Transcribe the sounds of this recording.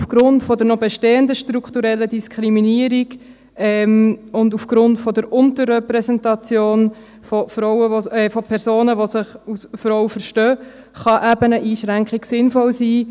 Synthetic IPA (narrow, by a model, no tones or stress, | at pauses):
ufɡ̥ɾʊntfɔdəɾnɔbɛʃteːəndəʃtɾukχtuɾɛlːədiskʰχɾiminiːəɾiɡ | ɛmʊndufɡ̥ɾʊntfɔdəɾʊntəɾːɛpɾɛsɛntɑt͡sjoːn | fɔfɾɔʊəʋoɛːfɔpʰɛɾsoːnəʋosɪχusfɾɔwfəɾʃtøː | χɑʔæbənəʔiːʃʁæŋkχiɡsɪnfɔlsiː